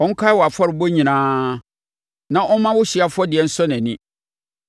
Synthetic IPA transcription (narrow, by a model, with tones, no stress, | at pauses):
ɔ˦ŋ̩˦kʰa˦wɔ˨a˨fɔ˦ɾɪ˨bo˦ɲĩ˨nãː˦ | nã˦ʔɔ˦mã˦wʊ˦ɕi˨a˨fʊ˦ɔ˦dɪ˨ɛ˦n̩˦sɔ˦nɛ̃˨nɪ̃˦